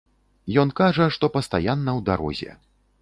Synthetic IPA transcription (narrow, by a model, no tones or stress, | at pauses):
jɔnkaʐɐʂt̪ɔpɐst̪ajanːɐwd̪aɾɔ̰zʲɛ̰